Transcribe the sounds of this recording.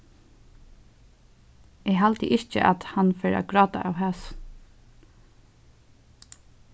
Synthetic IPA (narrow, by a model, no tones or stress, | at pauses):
ɛɦalt̪ə̰ʔɪt͡ʃə̰ʔa̰t̪hanfɛːɹa̰ɡɹɑːt̪a̰ʔa̰ːwɦaːs